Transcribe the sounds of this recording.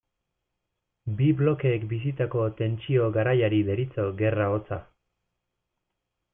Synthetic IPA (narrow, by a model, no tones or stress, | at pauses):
biβlo̞ke̞ːkbis̬it̪ako̞t̪e̞nt͡ʃio̞ɣaɾajaɾiβe̞ɾit͡so̞ɣe̞rao̞t͡sa